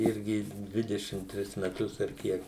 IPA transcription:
ˈɪrʲɡʲɪ ˈdʲʋʲɪdʲɛʃʲɪm ˈtʲrʲɪs mʲɛˈtʊs ɐr ˈkʲiɛk

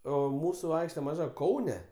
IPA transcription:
ˈoː ˈmuːsʊ ˈɐɪkʃʲtʲɛ mɐˈʒɐ ˈkɐʊnʲɛ

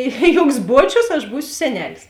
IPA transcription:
ɪ ˈjuɔks ˈbuɔt͡ʃʲʊs ɐʃ ˈbuːsʲʊ sʲɛˈnʲæːlʲɪs

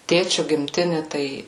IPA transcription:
ˈtʲeːt͡ʃʲʊ ɡʲɪmʲˈtʲɪnʲɪ tɐɪ

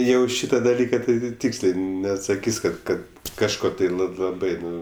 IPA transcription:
ˈjɛʊ ˈʃʲiːtɐ dɐˈlʲiːkɐ tɐɪ tɐɪ ˈtʲiːksʲlʲeː nʲɛɐtsɐˈkʲiːsʲ ˈkɐt ˈkɐt kɐʃˈkoː tɐɪ lˠɐ lˠɐˈbɐɪ ˈnʊ

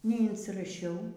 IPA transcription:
nʲɛɪnʲsʲɪrɐˈʃʲɛʊ

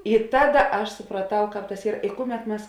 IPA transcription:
ɪ ˈtɑːˌdɐ ˈɐʃ sʊprɐˈtɐʊ ˈkɑːp tɐs ˈiːr ɪ ˈkʊˌmʲɛt ˈmʲɛs

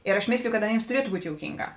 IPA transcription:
ɪr ɐʃ ˈmʲeːsʲlʲɪjʊ kɐt ɐˈnʲeːms tʊˈrʲiɛtʊ ˈbuːtʲ joːʊˈkʲiːŋˌɡɑː

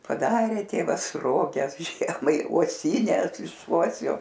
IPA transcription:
pɐˈdɑːrʲeː ˈtʲeːʋɐs ˈroːɡʲɛs ˈʒʲiɛmɐɪ uɔˈsʲiːnʲɛs ɪʃ ˈuɔsʲoː

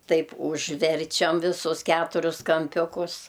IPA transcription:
ˈtɐɪp ʊʒʲˈʋʲɛrʲt͡ʃʲɛm ʋʲɪˈsʊs ˈkʲæːtʊrʲʊs kɐmʲˈpʲʊkʊs

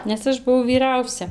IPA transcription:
nʲɛs ˈɐʃ bʊˈʋɐʊ ʋʲiːˈrɐʊsʲɛ

